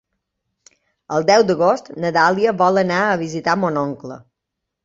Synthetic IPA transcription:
əlˠd̪ɛwd̪əɣost̪nət̪alˠiəβɔlˠənaəβizit̪amonɔŋklə̰

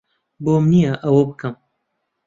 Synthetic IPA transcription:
boːmnijaʔɐwobɨkɨm

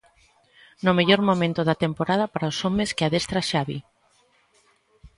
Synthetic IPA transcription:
nʊmeʎoɾmomẽnt̪ʊðɐt̪empoɾað̞ɐpaɾaosomeskɪaðest̪ɾaʃaβi

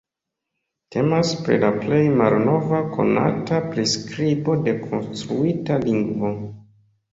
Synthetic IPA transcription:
tʰe̞maspɾḭlaple̞jmalno̞vakʰo̞̰na̰tapɾiskɾibo̞de̞kʰo̞nstɾuitaliŋɡvo

